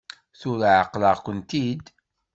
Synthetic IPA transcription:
θʊɾʕəqləʁkʷənt̪id̪

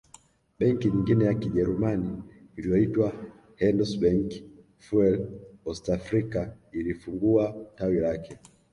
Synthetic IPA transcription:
ɓɛŋkiɲiŋɡinɛjakiʄɛɾumaniːlijɔitwa | hɛndusɓɛŋki̥ | fuɛlɔstafɾika | ilifuŋɡuatawilakɛ

